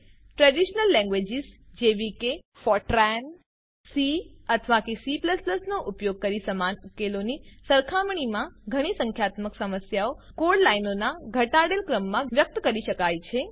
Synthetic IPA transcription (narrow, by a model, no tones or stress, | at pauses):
ʈɾɛɖiʃnəlːɛ̃ŋɡʋed͡ʒizd͡ʒeʋike | fɔʈɾɛn | siət̪ʰəʋakesipləspləsnoʔupjoɡ̚kəɾisəmanukelonisəɾkʰamɳ̃imãɡʱəɽ̃isə̃ŋkʰjat̪məksəməsjaokoɖlainonaɡʱəʈaɽelkɾəmːãʋjək̚t̪kəɾiʃəkajt͡ʃʰe